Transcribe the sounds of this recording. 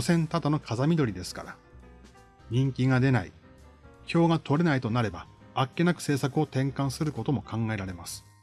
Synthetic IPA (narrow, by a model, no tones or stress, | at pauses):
osẽ̞nt̪at̪ano̞kʰazamʲid̪o̞ɾʲid̪e̞sɨ̥ka̰ɾa | ɲ̟ĩŋkʲiɡad̪e̞naḭ | çʲo̞ːɡat̪o̞ɾe̞nait̪o̞naɾe̞baakːe̞nakɯ̟̥se̞ːsakɯ̟o̞t̪ẽ̞ŋkãɰ̃sɨɾɯ̟ko̞t̪o̞mo̞kãŋɡae̞ɾaɾe̞masɨ̥